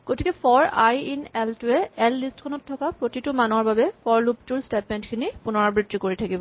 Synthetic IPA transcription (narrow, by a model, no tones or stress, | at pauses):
ɡ̥otikɛpʰɔɹajinɛltʊɛɛlːistkʰɔnɔtʰːɔkapɹotitʊmanɔɹbabɛkʰɔɹluptuɹstepmɛntkʰinipunɔɹɔbɹitɹikoɹitʰakibɔ